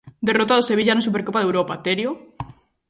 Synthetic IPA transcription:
d̪erot̪aðoseβ̞iʝanasupeɾkopaðewɾopat̪eɾjo

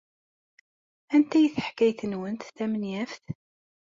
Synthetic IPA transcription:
ænt̪æjθəħkːæjθənwənt̪θæmənjæfθ

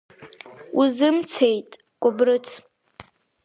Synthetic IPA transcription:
uzɨmt͡sʰejtʼ | kʷʼʊbrɨt͡sʰ

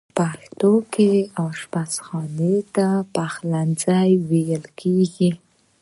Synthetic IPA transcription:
paxt̪okeawʃpasxɑnet̪apaxlanzajwejəlkʰeɡi

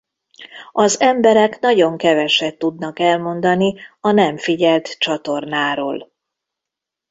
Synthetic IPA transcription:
ɒzɛmbɛɾɛknɒɟo̞ŋkɛvɛʃɛt̪ːud̪nɒkɛlmo̞nd̪ɒniɒnɛmfiɟɛlt̪t͡ʃɒt̪o̞rnaːɾo̰ːl

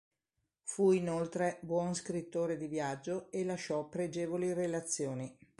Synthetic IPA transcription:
fuinolt̪ɾebwɔnskɾit̪ːoːɾed̪ivjad͡ʒːoelaʃɔpːɾed͡ʒeːvolirelat̪sːjoːni

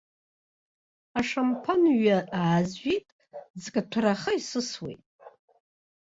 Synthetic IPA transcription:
aʂampʰanɥaaːzʒʷitʼ | zkʼatʷʰaraχəisɨswḛjtʼ

